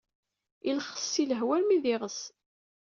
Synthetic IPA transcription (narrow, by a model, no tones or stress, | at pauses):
ilχə̥sːiləɦwælmiðɪʁəs